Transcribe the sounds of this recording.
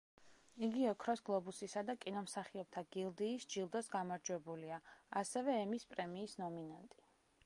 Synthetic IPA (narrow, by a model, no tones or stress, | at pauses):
iɡiɔkʰɾɔsɡlˠɔbusisad̪akʼinɔmsaχiɔb̚t̪ʰaɡ̥ilˠd̪iːsd͡ʒilˠd̪ɔsɡamaɾd͡ʒwɛbuliaasɛvɛːmispʼɾɛmiːsnɔminant̪ʼi̥